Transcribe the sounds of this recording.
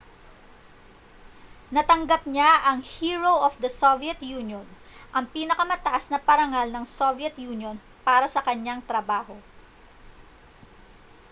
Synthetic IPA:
nɐt̪ɐŋɡap̚ɲaʔɐŋhiːɹowʔofd̪ɐsoviɐt̪juːnjon | ʔɐŋpiːnɐkɐmɐt̪ɐʔasnɐpɐɾɐŋalnɐŋsovɛt̪juːnjon | paːɾɐsɐkɐɲaŋt̪ɾɐbaːɦo̞

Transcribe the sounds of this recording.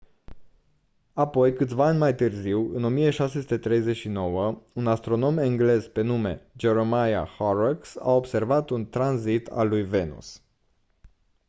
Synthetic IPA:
apo̞jkɨt̪ʲvaanʲmajt̪ɨrziwɨno̞mijeʃase̞sut̪e̞t̪ɾe̞jze̞t͡ʃʃino̞wəunast̪ɾo̞no̞meŋɡle̞zpe̞nume̞̰d͡ʒe̞ɾomaja̰hoɾaksa̰o̞bse̞rvat̪unt̪ɾanzit̪ʰa̰lːujve̞nṵs

